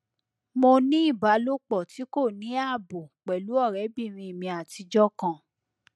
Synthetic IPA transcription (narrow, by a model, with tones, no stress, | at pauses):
mo˧nĩ˦i˦˨ba˨˦lo˦k͡pɔ˦˨ti˨˦ko˦˨nĩ˨˦a˦˨bo˨k͡pɛ˨lu˨˦ɔ˦˨ɾɛ˨˦bi˦˨ɾ̃ĩ˧i˨mĩ˧a˨ti˧d͡ʒɔ˦kã˦˨